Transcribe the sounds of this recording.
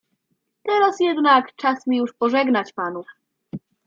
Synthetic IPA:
t̪ɛɾasjɛd̪nakt͡ʂasmʲijuʂpɔʐɛɡnat͡ɕpanu

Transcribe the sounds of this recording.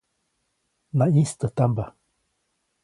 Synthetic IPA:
nãĩst̪ət̪amba

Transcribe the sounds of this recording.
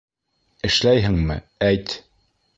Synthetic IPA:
ɘ̆ʃlæjɦɘŋmɘ̰ | æjt̪

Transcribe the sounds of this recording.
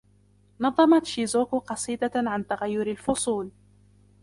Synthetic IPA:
nɑðˤːɑmɑt̪ʃizoːkqɑsˤiːd̪aʕant̪aɣajːʊɾalfʊsˤuːl

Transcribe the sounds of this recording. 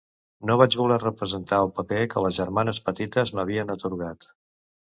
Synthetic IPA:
noβad͡ʒβulɛrəpɾəzənt̪aəlˠpəpekələzʒəɾmanəspət̪it̪əzməβ̞iənət̪uɾɣat̪

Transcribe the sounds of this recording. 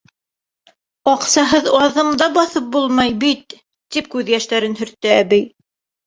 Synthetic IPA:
ɑqsɑɦɤðɑðɤ̆ɴd̪ɑbɑθɤp̚bulˠmɑjbit̪ː | ip̚kʉðjæʃt̪æɾɘnɦɵ̆ɾt̪ːɘæβɘj

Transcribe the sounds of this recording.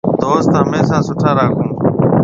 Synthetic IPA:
d̪oːst̪ɦəmeːsãːsʊʈʰaːɾaːkʰũː

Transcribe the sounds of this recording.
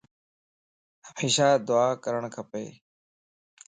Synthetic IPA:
ɦəmeːʃaːd̪ʊaːkəɾəɳ̃kʰəpḛː

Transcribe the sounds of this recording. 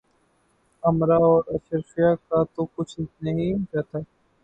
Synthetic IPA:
ɐmɾaɔːɾɐʃəɾfijakat̪okʊt͡ʃʰnɐɦĩːkat̪ʰaː

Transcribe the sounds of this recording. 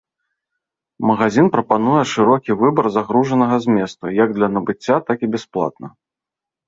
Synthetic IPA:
mɐɣazʲinpɾɐpanujɛʂɨɾɔkʲivɨbɐrzaɣɾuʐɐnɐɣɐzʲmʲɛst̪ɐjaɡ̚d̪lʲɐnɐbɨt͡sʲːat̪akibʲɛsplˠa̰t̪̚nɐ

